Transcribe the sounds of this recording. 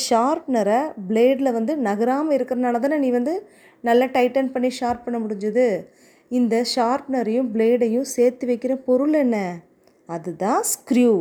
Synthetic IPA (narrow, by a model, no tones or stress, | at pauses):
ʃaːɾpnɐɾɐbleːɖlɐʋɐnd̪ɯnɐɣɐɾaːmɐɪɾɯkːɪɾɐnaːnɐðaːnɐniːʋɐnd̪ɯ | nɐlːɐʈɐɪʈːɐnpɐɳːiʃaːɾp̚pɐɳːɐmʊɽɪɲd͡ʒɐðɯ | ɪnd̪ɐʃaːɾpnɐɾɐjʊ̃bleːɖɐjʊ̃seːɾt̪ɯʋɐɪkːɪɾɐpɔɾɯɭɛnːɐ | ɐðɯt̪ãːskɾjuː